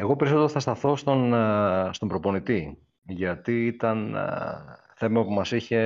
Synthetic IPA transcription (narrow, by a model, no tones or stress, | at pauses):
e̞ɣo̞pe̞ɾisot̪e̞ɾoθɐst̪ɐθo̞st̪o̞nst̪o̞mbɾo̞po̞nit̪i | ʝɐt̪iːit̪ɐn | θe̞mɐpumɐsiçe̞